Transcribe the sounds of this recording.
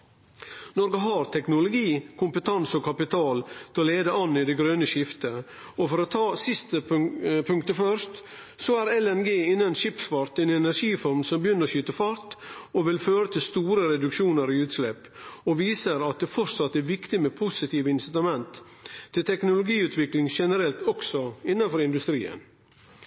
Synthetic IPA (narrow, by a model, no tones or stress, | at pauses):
nɔɾɡəɦɑɾt̪ʰɛknʊlʊɡiːkʰʊmpət̪ʰɑnsɔkʰɑpɪt̪ʰɑːlt̪ʰɪɔleːd̪əʔɑnːɪd̪ɛɡɾøːnəʃɪft̪ə | ɔfɔɾɔt̪ʰɑːsɪst̪əpʰʉŋk̚t̪əfœɾʂt̪ | sɔæɾɛlɛnɡeːɪnːənʃɪpsfɑɾt̪ɛnɛnæɾʂiːfɔɾmsɔmbjʏnːəɾɔɕyt̪əfɑɾt̪ɔʋɪlføːɾət̪ʰɪlst̪uːɾəɾɛd̪ʉkʂuːnəɾɪʉːt̪slɛpː | ɔʋiːsəɾɑt̪̚d̪ɛfɔɾsɑt̪ːæɾʋɪkt̪ɪmɛpʰusɪt̪ʰiːʋəɪnsɪt̪ɑmɛnt̪ʰː | ɪlt̪ʰɛknʊlʊɡiːʉːt̪ʰʋɪklɪŋʃɛnəɾɛlt̪ɔksɔɪnːɑnfɔɾɪnd̪ʉst̪ɾḭːə̰n